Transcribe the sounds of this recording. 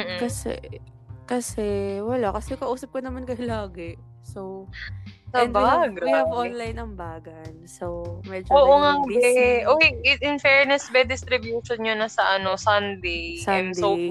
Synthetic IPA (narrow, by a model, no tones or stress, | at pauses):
hkɐsɛ̰ | kɐsɛwɐlaʔkɐsɛkɐʔuːsɐp̚konɐmankɐjʊlaːɡɛ | sow | sɐndaɡɐʔonlɐjnɐŋbaːɡɐnsowmɛd͡ʒoːʔoŋabɛʔoɪɪnfɛɹnɛsbɛd̪ɪst̪ɾɪbjuʃonɲonɐsɐʔɐno̞sɐnd̪ejsandso